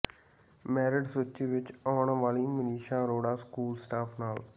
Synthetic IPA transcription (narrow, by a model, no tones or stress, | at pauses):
mɛːɾɪɖsoːt͡ʃiːʋɪt͡ʃaːɳʋaːliːməniːʃãːɾoːɽaːskuːlsʈaːpʰnaːl